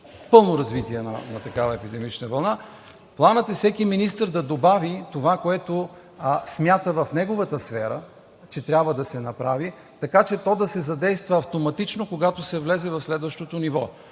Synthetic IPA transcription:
pɤlˠnoɾɐzvit̪iɛnɐ̰nɐt̪ɐkavɐɛpid̪ɛmit͡ʃnəvɐlˠna | plˠanət̪ɛfsɛkiminist̪əɾd̪ɐd̪obavit̪ovakoɛt̪o | smʲjat̪əvɐfnɛɡovət̪əsfɛɾə̰ | t͡ʃɛt̪ɾʲjabvəd̪ɐsɛnɐpɾavi | t̪ɐkat͡ʃɛt̪ɔd̪ɐsɛzɐd̪ɛjst̪vɐːft̪omɐt̪it͡ʃnokoɡat̪osɛvlɛzɛvɐfslɛd̪vɐʃt̪ot̪onivɔ

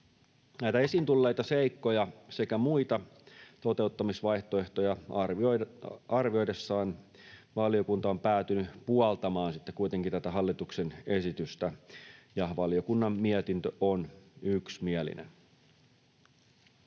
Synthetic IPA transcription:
næjt̪æe̞sint̪ulːe̞jt̪ɑse̞jkːo̞jɑse̞kæmuit̪ɑt̪o̞t̪e̞ut̪ːɑmisʋɑjht̪oe̞ht̪ojɑ | ɑrʋio̞jdesːɑːn | ʋɑljo̞kunt̪ɑompæːt̪ynypuɑlt̪ɑmɑːnsit̪ːekujt̪e̞ŋkit̪æt̪æɦɑlːit̪ukse̞ne̞sit̪yst̪æjɑʋɑljo̞kunːɑmːiɛt̪int̪øʔonyksmiælḭnḛn

